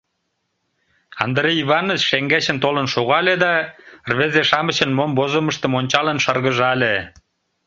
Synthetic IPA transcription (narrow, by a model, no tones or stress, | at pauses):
ɑnd̪ɾeiβɑnot͡ɕʃeŋɡæɕə̆nt̪olənʃoɣɑled̪ɑrβezeʃɑmə̆ɕə̆nmombozoməʃt̪ə̆monʲt͡ɕɑlə̆nʃɑrɣə̆ʒɑle